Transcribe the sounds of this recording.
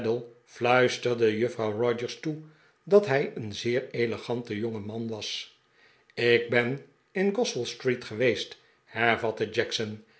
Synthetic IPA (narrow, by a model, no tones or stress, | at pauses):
dəlˠ | flœɥstəɹdəjɵfrɑwrɔd͡ʒəɹstu | dɑtɦɛjənzɪːɹejləχɑntəjoŋəmɑnʋɑs | ɪɡ̚bɛn | ɪnɡɔstəlˠstritχəʋejst | hɛɹvɑtəd͡ʒɛksən